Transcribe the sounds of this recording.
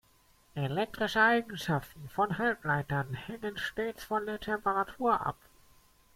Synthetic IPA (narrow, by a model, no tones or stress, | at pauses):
ʔelɛk̚tʁ̥ɪʃəʔaɪɡŋ̩ʃaftn̩fɔnɦalplaɪtɐnhɛŋənʃteːt͡sfɔndeːɐtʰɛmpəʁatʰuːɐʔa̰p